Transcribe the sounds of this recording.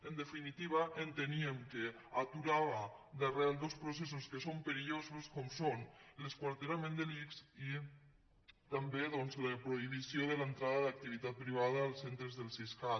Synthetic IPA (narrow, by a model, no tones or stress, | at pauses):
ənd̪efinit̪iβ̞aʔent̪eniemke | at̪uɾaβad̪areald̪ospɾos̬es̬uskesompeɾiʎozuskɔmsonleskwaɾt̪eɾamẽnd̪eliksi | t̪ambeðɔnzləpɾoiβ̞isjoðelant̪ɾaðaðak̚t̪iβ̞it̪at̪̚pɾiβ̞aðaːlˠsent̪ɾezðelˠsiska